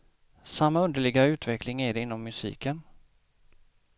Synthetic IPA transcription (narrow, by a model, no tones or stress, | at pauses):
samːaɵnd̪əɭɪɡaʉ̟ːt̪vɛklɪŋæɖɛɪnːɔmːɵsḭːkən